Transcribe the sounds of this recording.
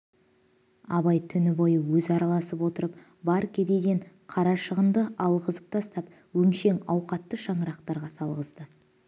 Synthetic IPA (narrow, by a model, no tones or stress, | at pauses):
ɑβɑjt̪ʰʏnɪbo̞jəwɵzɑɾɑlˠɑsəpwo̞t̪əɾəp̚ | bɑɾkʲʰe̞d̪ed̪e̞ɴ | qʰɑɾɑʃəʁənd̪əɑlˠʁəzəp̚t̪ʰɑst̪ɑp | wɵnʃe̞ŋɑwqɑt̪ːəʃɑɴəɾɑqt̪ɑɾʁɑsɑlˠʁəzd̪ə